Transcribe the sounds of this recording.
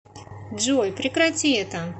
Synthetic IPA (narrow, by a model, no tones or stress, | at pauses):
dʐojpɾʲɪkɾɐtʲiɛt̪ə